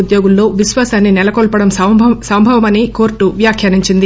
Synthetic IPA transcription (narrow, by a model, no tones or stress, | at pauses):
ud̪joːɡulːo̞ːʋisʋaːsaːnːinɛlɐkolpɐɽɐmsɐmbʱɐʋɐmɐniko̞ːɾʈuʋjaːkʰjaːniɲt͡ʃind̪i